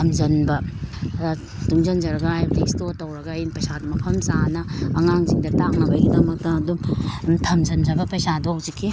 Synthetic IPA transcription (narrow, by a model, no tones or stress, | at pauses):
ɐmzɐnbɐ | tuŋzɐnd͡ʒɐɾɐɡajbɐdestotɐwɾɐɡainpɐjsadumɐpʰɐmsanɐɐŋaŋziŋdɐtaŋnɐbɐjɡidɐmɐk̚tɐːdumtʰɐmzɐnzɐbɐpɐjsadowzikʰːi